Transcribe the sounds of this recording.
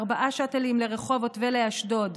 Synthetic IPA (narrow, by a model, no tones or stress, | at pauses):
ʁbaʔaʃatelimleʁeχo̞votveleaʃdo̞d